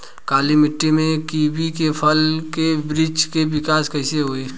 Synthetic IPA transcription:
kaːlimɪʈːemẽkiːbikepʰɐlkebɾɪd͡ʒkeʋɪkaːskɐɪseɦoːeː

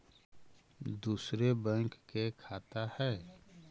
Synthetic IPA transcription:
d̪uːsɾebɛ̃ŋkːekʰaːt̪ahɛː

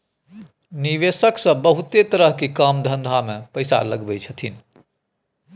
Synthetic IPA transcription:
niʋesəksə̃bəɦut̪et̪əɾəɦkekəmd̪ʱə̃nd̪ʱamẽpəɪsa̰ləɡbəjt͡ʃʰət̪ʰin

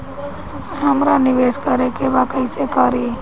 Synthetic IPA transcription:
ɦəmɾanɪʋeskəɾekebakəɪsekəɾi

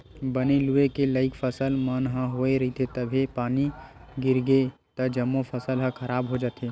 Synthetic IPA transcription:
bəneluekeləɪkpʰəsəlmənɦə̃ɦoeɾəɦit̪ʰet̪əbʱepaniɡiɾɡet̪əd͡ʒəmːopʰəsəlɦə̃kʰəɾabɦod͡ʒat̪e

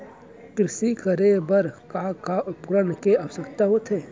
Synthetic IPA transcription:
kɾɪʃikəɾebəɾkakaʔʊpɾənkeaʋsəkt̪aɦot̪ʰeː

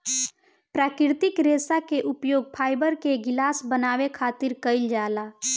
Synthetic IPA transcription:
pɾaːkɪɾt̪ɪkɾeːsakeʔʊpjoːɡ̚pʰaːɪbəɾkeɡɪlaːsbənaːwekʰaːt̪ɪɾkəɪld͡ʒaːlaː

